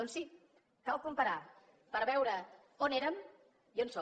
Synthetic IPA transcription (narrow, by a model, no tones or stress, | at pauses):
ɔnsi | kawkumpəɾa | pəɾβɛwɾə | oneɾəm | ionsɔ